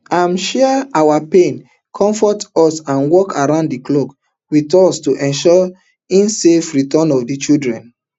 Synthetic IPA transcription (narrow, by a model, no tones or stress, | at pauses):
ãmʃɛaawapẽn | kʰɔ̃ɱfɔtɔsãnwɔkʰaɹãʊ̃ndiklok | witɔstuʔɛ̃nʃɔ | ĩnsefɹitɔnɔfdit͡ʃidɹɛ̃n